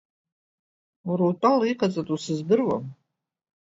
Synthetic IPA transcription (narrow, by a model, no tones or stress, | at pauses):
uɾowtʼaliqʼat͡sʼatʼusɨzdɨrwa̰m